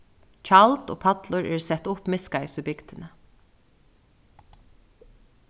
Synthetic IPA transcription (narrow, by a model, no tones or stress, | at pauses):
t͡ʃʰalt̪o̰ːpʰat̪lʊɹɛːɹsɛt̪ʊpmɪskaɪsʏbɪɡd̪ɪnə